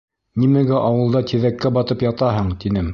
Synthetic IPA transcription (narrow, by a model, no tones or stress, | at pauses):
nimæɡæʔɑwɤ̆lˠd̪ɑt̪iðækːæbɑt̪ɤpjɑt̪ɑɦɤɴt̪inɘm